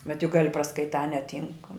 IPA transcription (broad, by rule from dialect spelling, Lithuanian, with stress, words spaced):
bʲɛt jʊk ˈɡɑːlʲɪ prɐskɐɪˈtɑː nʲɛˈtʲiːŋk